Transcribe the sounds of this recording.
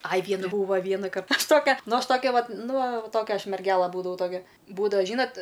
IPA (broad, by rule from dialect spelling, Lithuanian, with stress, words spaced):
ɐj ˈʋʲiɛnʊ ˈbuːʋɐ ˈʋʲiɛnɐkɐr ˈɐʃ ˈtoːkʲɛ ˈnʊ ˈɐʃ ˈtoːkʲɛ ʋɐt ˈnʊ ʋɐ ˈtoːkʲɛ ˈɐʃ mʲɛrʲˈɡʲæːlˠɐ ˈbuːdɐʋɐʊ ˈtoːkʲɛ ˈbuːdɐʋɐ ˈʒʲiːnɐtʲ